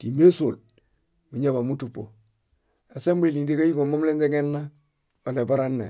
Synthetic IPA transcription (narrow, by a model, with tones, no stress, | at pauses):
ti˨me˦so̰˨l | mi˨ɲa˦ba˨mu˦tu˨po̰˨ | a˨se˦mbi˦˨li˨ndi˦ka˦ji˦ɡo˨ma˦mle˦nde˦ŋe˦nːa˦ | o˨le˨ba˦ɾa˦nːḛ˨